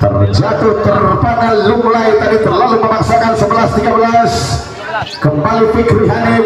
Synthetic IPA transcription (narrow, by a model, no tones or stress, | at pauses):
t̪ə̰rd͡ʒat̪ʊt̪ərupananlumlajt̪adit̪ərlaluməmaksakansəbəlast̪iɡabəlas | kəmbalifikɾiɦaɾɪ